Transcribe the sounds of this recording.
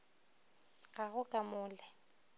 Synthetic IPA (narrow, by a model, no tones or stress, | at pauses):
ɣaɣʊkʼamʊːlɛ